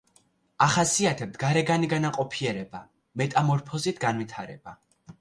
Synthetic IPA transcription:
aχasiat̪ʰɛb̚t̪̚ʰɡaɾɛɡaniɡanaqʼɔpʰiɛɾɛba | mɛt̪ʼamɔɾpʰɔzit̪ʰɡanwit̪ʰaɾɛ̰b̥a

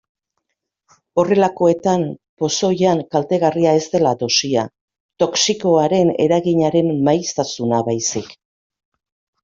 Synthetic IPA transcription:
o̞re̞lako̞e̞t̪ampo̞so̞jaŋkalt̪e̞ɣariae̞zt̪e̞lad̪o̞sia | t̪o̞ksiko̞aɾe̞ne̞̰ɾaɣiɲaɾe̞mmajst̪asunaβajsik

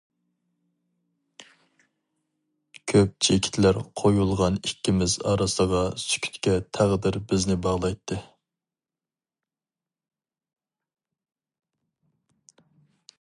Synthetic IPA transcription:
kʲʰøp̚t͡ʃʰekʲʰi̥t̪ʰlæɾqʰojulˠʁɑnikʲʰːimɪzɑ̰ɾɑsəʁɑsy̥kʲʰy̥t̪kʲɛt̪ʰæʁd̪ɪɾbɪznɪbɑʁlˠɑjt̪ʰːɨ

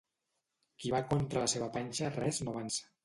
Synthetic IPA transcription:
kiβakont̪ɾələseβapanʲʃarɛznoβansə̥

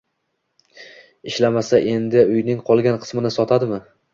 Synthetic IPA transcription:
ɪʃlamasaʔe̞nd̪ɪʊjnɪŋqʰɒlˠɡʲanqʰɨ̥smɪnɪsɒt̪ʰad̪ɪmɪ

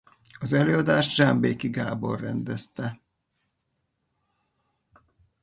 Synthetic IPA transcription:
ɒzɛløːɒd̪aːʒt̪ʒambeːkiɡaːbo̰rːɛ̰nd̪ɛst̪ɛ

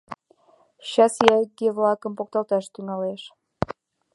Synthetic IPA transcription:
ɕɑsjæɡevlɑkəmpok̚t̪ɑlt̪ɑʃt̪yŋɑleʃ

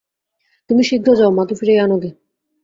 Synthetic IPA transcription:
t̪umiʃiɡ̪ʱod͡ʑaomat̪ufiɾejanod̪e

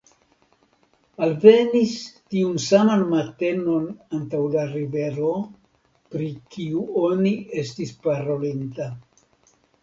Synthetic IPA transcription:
alve̞nistiunsamanmate̞no̞nantawlaɾive̞ɾo̞ | pɾikiuo̞nie̞stispaɾo̞linta

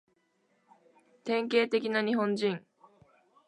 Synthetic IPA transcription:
t̪ẽ̞ŋke̞ːt̪e̞kʲinaɲ̟iɦõ̞ɲd͡ʑĩŋ

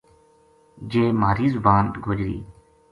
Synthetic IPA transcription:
d͡ʒeːmaːɾiːzʊbaːnɡʱod͡ʒɾḭː

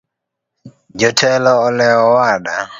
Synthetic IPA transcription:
d͡ʒɔtʰɛlɔːlɛɔwaɗa

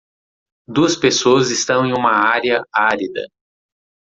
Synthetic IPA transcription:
d̪uɐspesoɐzist̪ɐ̃w̃ẽj̃ũmɐaɾiɐaɾid̪ɐ̰

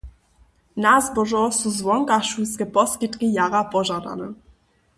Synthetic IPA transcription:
nazbɔʒɔsuzvɔŋkaʃuskɛpɔskit̪kijaɾapɔʒad̪a̰nɛ

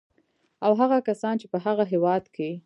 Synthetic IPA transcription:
awɦaɣakasɑnt͡ʃepəɦaɣaɦewɑd̪kʰe

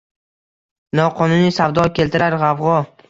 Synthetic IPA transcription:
nɒqʰɒnʊnisavd̪ɒkʲʰe̞lt̪ʰɪɾaɾʁɑvʁɒ

